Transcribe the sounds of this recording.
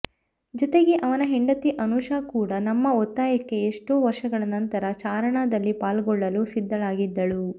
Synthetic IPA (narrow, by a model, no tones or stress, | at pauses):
d͡ʒɔt̪e̞ɡe̞ʔɐʋɐnɐɦeɳɖɐt̪iʔɐnuʂaːkuːɽɐnɐmːɐɔt̪ːaːjɐkːe̞eʂʈoːʋɐɾʂɐɡɐɭɐnɐnt̪ɐɾɐt͡ʃaːɾɐɳaːd̪ɐlːipaːlɡɔɭːɐlusid̪ːɐlaːɡid̪ːɐɭu